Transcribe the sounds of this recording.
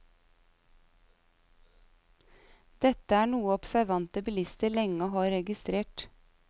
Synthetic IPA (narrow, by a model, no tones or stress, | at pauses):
d̪̥ɛt̪əæːɳuːəɔpsæɾʋɑnt̪əbɪlɪst̪əɭɛŋəɦɑːɾɛɡɪst̪ɾeːʈ